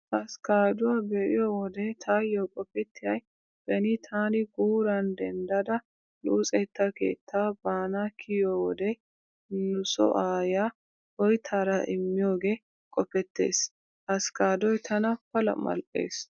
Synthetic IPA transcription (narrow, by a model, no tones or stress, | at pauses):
ʔɐskaːd̪ʊwaːbɛʔɪ̰jɔːwɔd̪ɛt̪ʰaːjːokʼɔpɛt̪ːɪjɐj | bɛnɪt̪ʰaːnɪɡuːɾɐnd̪ɛnd̪ɐd̪ɐ | luːt͡sʼɛt̪ːɐkḛːt̪ːaːbaːnakʰɪjowɔd̪ɛ | nʊsɔ̰ʔaːja | hɔjt̪ʰaːɾɐʔɪmːɪjoːɡe | kʼɔpɛt̪ːe̞̰ːs | ʔɐskaːd̪ɔjt̪ʰɐnɐpɐlɐ̰mɐ̰lpʼːḛːs